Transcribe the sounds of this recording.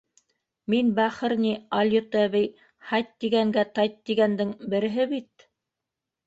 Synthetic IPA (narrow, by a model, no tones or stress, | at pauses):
minbæχɘ̆ɾnʲiɑlʲjot̪æβɘj | hɑjt̪ːiɡæŋɡæt̪ɑjt̪ːiɡænd̪ɘŋbɘ̆ɾɘ̆ɦɘβit̪̚